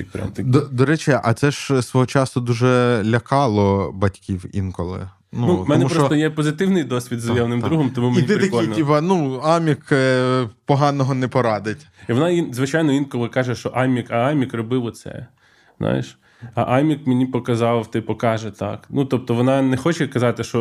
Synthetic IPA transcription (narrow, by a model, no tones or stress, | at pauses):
iɛ̰d̪ɔd̪ɔɾɛt͡ʃɪʔɐt̪sɛʒsʋɔɦɔt͡ʃɑsʊd̪uʒɛlʲɐkɑlˠɔbɐtʲkʲiwḭnkɔlˠɪ̰ | nunumɛnmɛupɾɔɔst̪ɔjɛpɔzɪt̪ɪwnɪjd̪ɔsʲʋʲid̪zɐjɛwnɪmɾuɦɔmt̪ɔmumeinʲiɪɾɐkɔlijʲnʲibɑnuɑmʲik | pɔɦɑnɔɦɔnɛpɔɾɑd̪ɪtʲiʋɔnɑinzʋɪt͡ʃɑjnɔinkɔlˠɪkɑʒɛʃɔʔɑmʲikɐamʲikrɔbɪʋɔt̪sɛ̰ | z̥nʔa̰jeʃ | ɐ̰ʔɑmʲikmenʲipɔkɐzɑwt̪ɪpɔkɑʒɛt̪ɑ̰knut̪ɔp̚t̪ɔʋɔnɑnɛxɔt͡ʃɛkɐzɑt̪ɪʃt͡ʃɔ